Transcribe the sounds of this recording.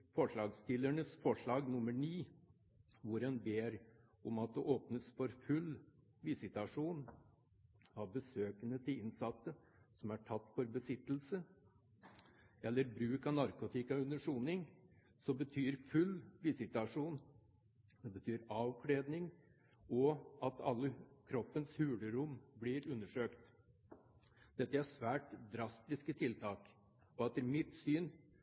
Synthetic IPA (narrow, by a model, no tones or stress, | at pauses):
fɔʂɭɑːɡst̪ɪlːæɳəsfɔʂɭɑːɡnʊməɳiː | ʋʊɾɛnbeːɾ | ɔmɑt̪̚d̪ɛʔoːpnəsfɔɾfʉl | ʋɪsɪt̪ɑʂuːn | ɑʋbəsøːkənət̪ʰɪlɪnsɑt̪ːəsɔmæʈʰɑt̪ːfɔɾbəsɪt̪ːl̩sə | ɛlːəɾbɾʉːkɑnɑɾkʊt̪ʰɪkɑʉnːəʂuːnɪŋ | sɔmbət̪ʰyːɾfʉlːʋɪsɪt̪ɑʂuːn | d̪ɛbət̪ʰyːɾɑːʋkʰɽeːd̪nɪŋ | ɔɑt̪ʰɑ̰lːəkʰɾɔpːənshʉːləɾʊmblɪɾʉnːəʂøːkt̪ | d̪̥ɛt̪ːəæʂʋæːʈd̪ɾɑst̪ɪskət̪ʰɪlt̪ʰɑːk | ɔɛt̪ːəɾmɪt̪syːn